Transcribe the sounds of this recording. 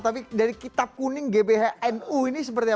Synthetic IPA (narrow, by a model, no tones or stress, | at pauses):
t̪ap̬idaɾikit̪ap̚kunɪŋɡebeɦaʔɛnuinisəpərt̪ia